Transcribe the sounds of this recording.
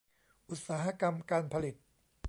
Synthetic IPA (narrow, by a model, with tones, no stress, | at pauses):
ʔu˨˩t̪̚saː˩˦ɦa˦˥ka˧mkaː˧npʰa˧li˨˩t̪̚